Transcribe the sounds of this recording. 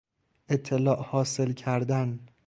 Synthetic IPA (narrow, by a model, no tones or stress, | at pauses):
ʔe̞t̪ʰːelɒːʔhɒːse̞lcʰæɾd̪æn